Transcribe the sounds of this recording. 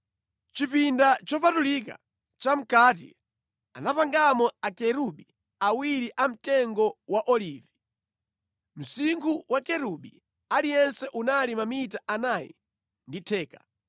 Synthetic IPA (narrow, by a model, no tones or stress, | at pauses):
t͡ʃipindat͡ʃɔpatulika̰ | t͡ʃam̩kaːtḭ | anapaŋɡamɔakɛɾuɓi | awiɾiʔam̩tɛŋɡɔwaʔɔliːvi | m̩siŋkuwʔakɛɾuɓi | alijɛnsɛʔunalimamitaʔanaːjɛ̰ | nditʰɛːka